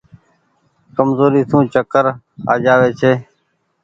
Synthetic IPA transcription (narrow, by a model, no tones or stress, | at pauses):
kəmzoːɾiːsũːt͡ʃəkəɾ | a̰ːd͡ʒaːʋeːt͡ʃʰeː